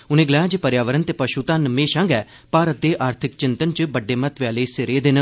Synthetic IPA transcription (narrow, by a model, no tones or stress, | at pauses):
ʊnẽːɡlɛːad͡ʒepəɾjaːʋəɾənt̪eːpəʃuːt̪ãːnəmẽːʃãŋɡɛː | paːɾət̪̚d̪eːʔaːɾt̪ʰɪk̚t͡ʃɪnt̪ənt͡ʃbəɖːeːmət̪ʋɪaːleːsɪɾeːd̪enə